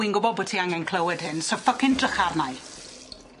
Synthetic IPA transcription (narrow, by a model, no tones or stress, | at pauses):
inɡʊbɔbɔtʰiaŋɛnkʰl̥ˠəwɪd̥hɪnsɔfəkɪndrəχarnaj